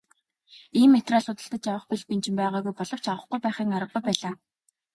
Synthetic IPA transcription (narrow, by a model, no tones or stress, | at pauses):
iːmːet̪raːɮʊt̪ə̆ɬt̪ə̆t͡ɕjawə̆χpiɮpint͡ɕɪ̆mpæːʁaːɣujpɔɮɞ̆w̥t͡ɕawə̆χɡujpæːχiːŋaɾə̆qːujpæːɮaː